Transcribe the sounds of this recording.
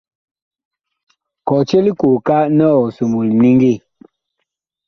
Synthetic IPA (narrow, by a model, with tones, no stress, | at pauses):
kɔ˨t͡ʃe˦li˦ko˨ka˦nɔ˦˨ɔ˨so˨mu˨lni˦ŋɡi˦˨